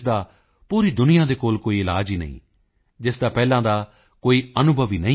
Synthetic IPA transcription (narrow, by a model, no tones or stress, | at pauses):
d̪aː | puːɾiːd̪ʊnɪjãːd̪eːkoːlkoːiːɪlaːd͡ʒiːnə̰ḭ̃ː | d͡ʒɪsd̪aːpɛːlãːd̪aː | koːiːənʊbʱəʋiːnə̃